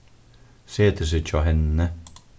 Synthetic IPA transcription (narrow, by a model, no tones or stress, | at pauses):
seːt̪ʰəs̬ət͡ʃʰɔɦɛnːə